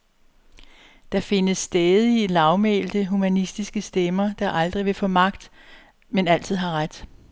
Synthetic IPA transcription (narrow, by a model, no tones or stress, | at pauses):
d̥ɑ̈fe̝nəsːd̥ɛːð̞ˠilɑ̈ʊmḛːld̥əɦumænisd̥isɡ̥əsd̥emɐd̥ɑ̈ʔɑ̈ld̥ʁiʋe̝fɔ̽mɑ̈ɡ̥̚d̥ | menæl̰t͡sʰið̞̰ˠɦɑ̈ʁad̥